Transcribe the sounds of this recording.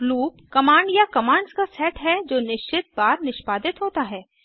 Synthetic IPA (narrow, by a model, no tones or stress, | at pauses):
luːpkɐmãːɳɖjakɐmãːɳɖzkasɛːʈɦɛd͡ʒoːnɪʃt͡ʃɪt̪̚baːɾnɪʃpaːd̪ɪt̪ɦoːt̪aɦɛː